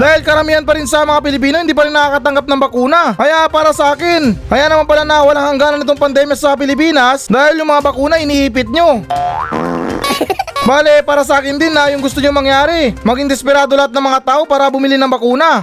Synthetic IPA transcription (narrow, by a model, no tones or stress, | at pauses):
d̪aːhɪlkɐɾɐmiːhɐnpɐɾɪnsɐmɐŋap̬ɪlɪp̬iːnoɪnd̪iːp̬ɐɾɪinːɐkakɐt̪ɐŋɡap̚nɐŋbɐkuːnɐʔɐjapaːɾɐsɐʔaːkɪnkɐjanɐman̚pɐlanɐwɐlaŋhɐŋɡanɐnɪt̪o̞ŋpɐnd̪ɛmjɐsɐp̬ɪlɪp̬iːnɐsd̪aːhɪljʊŋmɐŋabɐkuːnɐʔɪniːʔiːp̬ɪt̪̚ɲo̞ | baːlɛpaːɾɐsɐʔaːkɪnd̪ɪnːɐjʊŋɡʊst̪oɲoŋmɐŋjaːɾɪmɐɡiŋd̪ɛspɛɾaːd̪o̞lɐat̪̚nɐŋmɐŋat̪aːʔopaːɾɐbʊmɪlinɐŋbɐkuːnɐ